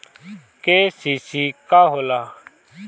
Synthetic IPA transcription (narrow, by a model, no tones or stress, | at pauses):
keːsisiːkaːɦolaː